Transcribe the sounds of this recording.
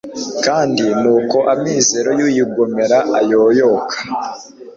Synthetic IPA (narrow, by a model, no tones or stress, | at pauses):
kaːndimuːko̞ʔamize̞ɾo̞juːjiɡome̞ɾaʔajoːjokʰḁ